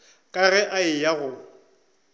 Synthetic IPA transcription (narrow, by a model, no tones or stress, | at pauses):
kʼaɣɛʔaɪjaɣʊ